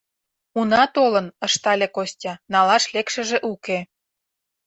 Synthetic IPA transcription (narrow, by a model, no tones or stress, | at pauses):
unɑt̪olənə̆ʃt̪ɑlʲekosʲtʲɑnɑlɑʃlekʃə̆ʒĕʔuke